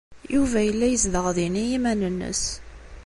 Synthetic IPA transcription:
juvæjəlːæjəzðəʁðinijimænənːə̰s

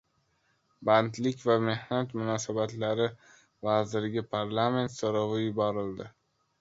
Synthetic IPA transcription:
bant̪lɪkʲvame̞hnat̪mʊnɒsabat̪laɾɪ | vazɪɾɪɡʲapʰaɾlˠame̞nt̪soɾɒvɪjʊbɒɾɪld̪ɪ

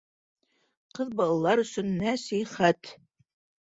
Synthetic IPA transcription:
qɤ̆ðbɑlˠɑlˠɑɾɵ̆sɵnːæsiχæt̪

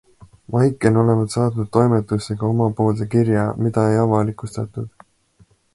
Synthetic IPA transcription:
vɑjkːˑeno̞le̞vɑt̪sɑːd̪nud̪̥̚ːo̞jmet̪ːˑuseɡ̥ɑo̞mɑpo̞ːlt̪ekiɾjɑmid̪̥ɑe̞jɑvɑlikˑust̪ɑt̪ːˑud̪̥

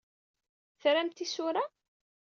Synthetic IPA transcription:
θɾæmt̪isʊɾa

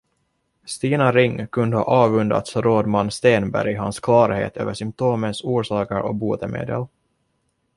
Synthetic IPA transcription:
st̪iːnaɾɪŋːkʰɵnd̪əhɑ̰ːʔɑːvɵnd̪a̰t̪sɾoːd̪manːst̪eːnbæ̰ɾjɪɦanskʰlɑːɾhḛːt̪ʰø̰ːvəʂʏmp̚t̪ʰoːmənsuːʂɑːkəɾʔɔk̚buːt̪əmḛːd̪ə̰l

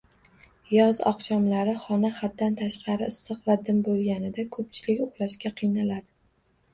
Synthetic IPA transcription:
jɒzɒ̰qʃɒmlaɾɪχɒnaχat̪̚dːant̪ʰaʃqʰɑɾɪɪsːɨqvad̪ɪmbolˠɡʲanɪd̪akʰɵp̚t͡ʃʰɪlɪkʲʊχlˠaʃkʲaqʰɨjnalad̪ɪ

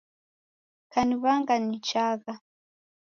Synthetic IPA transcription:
kaniβaŋɡanit͡ʃaɣa

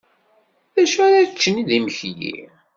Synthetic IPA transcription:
ðæʃæɾaðət͡ʃːəniðiməçjḭ

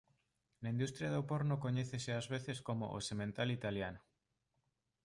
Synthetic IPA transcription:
naĩnd̪ust̪ɾjaðopoɾnokoɲeθeseazβ̞eθeskomo̰ʔo̰semẽnt̪alit̪aljano

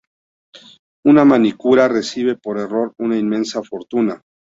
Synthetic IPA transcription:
unamanikuɾare̞siβe̞po̞ɾe̞ro̞ɾunainmẽ̞nsafo̞ɾt̪una

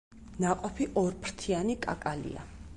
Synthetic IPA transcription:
naqʼɔpʰiʔɔɾpʰɾt̪ʰianikʼa̰kʼalḭa̰

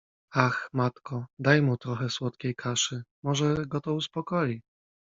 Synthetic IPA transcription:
axmat̪kɔd̪ajmut̪ɾɔxɛswɔt̪kʲejkʰaʂɘmɔʐɛɡɔt̪ɔuspɔkɔji

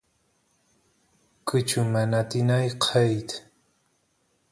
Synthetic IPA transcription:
kɨt͡ʃʊmanat̪inajqʰejt̪

